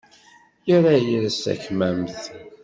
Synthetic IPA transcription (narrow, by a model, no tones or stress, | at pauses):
jʊɾajəɾsæ̰çmæmθ